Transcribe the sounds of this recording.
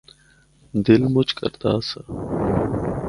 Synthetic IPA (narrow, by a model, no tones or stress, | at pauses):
d̪ɪlmʊt͡ʃkə̰ɾd̪aːsə